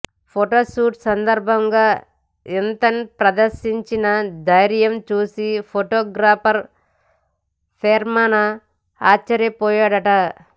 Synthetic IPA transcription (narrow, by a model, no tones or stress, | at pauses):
pʰoʈoːʃuːʈsɐnd̪ɐɾbʱɐŋɡaː | ent̪ɐnipɾɐd̪ɐɾʃiɲt͡ʃinɐd̪ɐjɾjɐmt͡ʃuːsipʰoʈoːɡɾaːpʰɐɾ | pʰeːɾmaːnɐ | aːt͡ʃːɐɾjɐpɔːjaːɽɐʈɐ